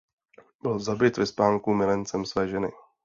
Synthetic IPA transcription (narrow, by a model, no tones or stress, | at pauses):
bɪlzabɪt̪vɪspaːŋkumɪlɛnt͡sɛmsvɛːʒɛnɪ̰